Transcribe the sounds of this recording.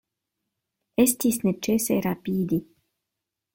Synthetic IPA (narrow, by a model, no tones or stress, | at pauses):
est̪isnet͡ʃeseɾapiːd̪i